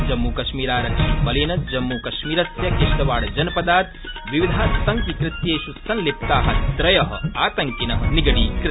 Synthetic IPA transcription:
d͡ʒɐmːuːkɐʃmiːɾaːɾɐibɐlinɐd͡ʒɐmːuːkɐʃmiːɾɐsjɐkeʃʈɐʋaːɽɐd͡ʒɐnɐpɐd̪aːt̪ | ʋiʋid̪ʱaːsɐŋkikɾit̪jeːʃusɐnlip̚t̪aːɦɐt̪ɾɐjɐɦɐ̰aːt̪ɐŋkinɐɦɐniɡɐɽiːkɾ

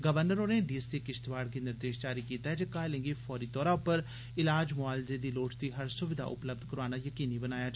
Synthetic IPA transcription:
ɡəʋəɾnəɾoːneɖiːsiekɪʃt̪ʋaːɽkenɪɾd̪eːʃd͡ʒaːɾikiːt̪aɦɛd͡ʒekaːlɪ̃ŋɡifʰɔːɾiːt̪ɔːɾaʊpəɾ | ɪlaːd͡ʒmʊaːld̪ed̪iːloːt͡ʃt̪iːɦəɾsʊʋɪd̪ʱa̰ːʔʊ̰pləb̚d̪ʱkəɾaːnajəkiːnibənaːjaːd͡ʒa

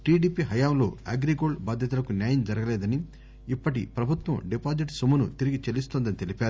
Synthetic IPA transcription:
ʈiːɖiːpiɦɐjaːmlo̞̰ːa̰ːɡɾikoːɭbaːd̪ʱjɐt̪̬ulɐkunjaːjɐmd͡ʒɐɾɐɡɐlɛːd̪ɐni | ipːɐʈḭpɾɐbʱut̪wɐmɖipaːd͡ʒiʈsumɐnut̪iɾiɡit͡ʃelist̪oːnd̪ɐnit̪elipaːɾu

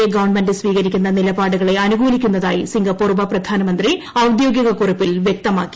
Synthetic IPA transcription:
eɡɐʋɐɳmɐndɨsʋiːɣɐɾikʲːunːɐnilɐbaːɽuɣɐɭe̞ɐnuɡuːlikʲːunːɐðaːjisiŋɡɐpːoːrʋɐprɐd̪ʱaːnɐmɐnd̪ri | ɐwd̪jo̞ːɡjɐɣɐkurɐpːilʋjek̚t̪ɐmaːkːi̥

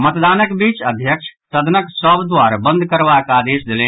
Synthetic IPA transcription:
mət̪d̪aːnəkbiːt͡ʃəd̪ʱjəkʃʰsəd̪ʱnəksəbd̪waɾabə̃nd̪ʱkəɾbakaːd̪eːsd̪elẽ

